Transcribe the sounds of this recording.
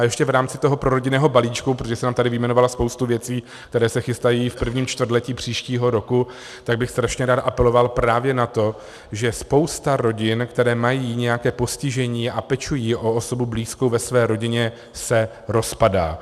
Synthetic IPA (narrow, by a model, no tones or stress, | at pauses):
ajɛʃcɛvɾaːmt͡sɪt̪o̞ɦopɾo̞ɾo̞ɟɪnɛːɦo̞baliːt͡ʃkup̬ɾot̪oʒɛsɛnaːmt̪adɪvɪmɛnovalaspowst̪uvjɛt͡siː | k̚t̪ɛɾɛːsɛxɪst̪ajiːfpr̩vɲiːmt͡ʃt̪vr̩t̪lɛciːpr̝̥iːʃciːɦo̞ɾo̞ku | t̪aɡ̚bɪxst̪ɾaʃɲɛɾaːt̪ʔapɛlo̞valpɾaːvjɛnat̪o̞ | ʒɛspo̞wst̪aɾo̞ɟɪnkt̪ɛɾɛːmajiːɲɛjakɛːpo̞scɪʒɛɲiːapɛt͡ʃujiːʔo̞oso̞bubliːskowvɛsvɛːɾo̞ɟɪɲɛ | sɛ | ɾo̞spada̰ː